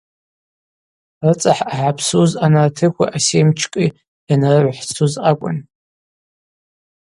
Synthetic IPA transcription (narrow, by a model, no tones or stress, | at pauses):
rɨt͡sʼaħaħapʰsuzanartʰɨkʷa̰ʔasejmt͡ʃʰkʼi | janarɨʕʷħt͡sʰuzakʷʼʊ̰n